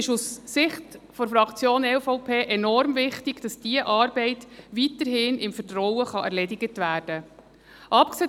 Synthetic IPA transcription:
ɪʃusːɪχtfɔɾfɾɑkt͡sjoːnɛlfɔʊpʰeːʔɛnɔɾmvɪχtɪɡ̥d̥ɑsd̥iəʔɑːɾbɛɪtʋitəɾɦɪnɪmfəɾtɾɔwəχɑʔɛ̰ɾlɛdɪɡətʋæːrd̥ə | ʔɑpkseː

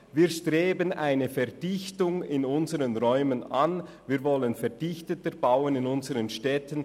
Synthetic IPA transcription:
viːɐʃtʁ̥eːbənaɪnəfɛɐd̥ɪçtʊŋɪnʊnzəʁənʁɔʏmənan | viːʁvɔlənfɛdɪçtətəbaʊənɪnʊnzəʁənʃtɛtən

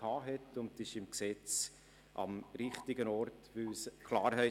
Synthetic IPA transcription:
ɑːɦɛtʊndɪʃɪmksɛt͡s | ʔɑ̰mɾɪχtɪɡənɔɾtvʏwskʰlɑːɾɦɛɪ

